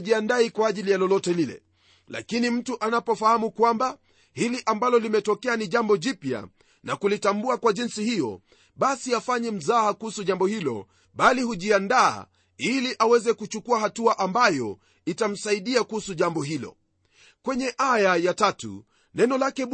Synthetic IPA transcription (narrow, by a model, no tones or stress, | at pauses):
ʄiandaikwaːʄilijalɔlɔtɛlilɛ̰ | la̰kinim̩tuʔanapɔfahamukwamba | hiliʔambalɔlimɛtɔkɛaniʄambɔʄipja̰ | nakulitambuakwaʄinsihijɔ̰ | ɓasiafaɲɛm̩zaːakuhusuʄambɔhilɔ̰ | ɓalihuʄianda̰ː | iliʔawɛzɛkut͡ʃukuahatuaʔambajɔ | itam̩saiɗiakuhusuʄambɔɦilɔ̰ | kwɛɲɛʔajajatatṵ | nɛnɔlakɛ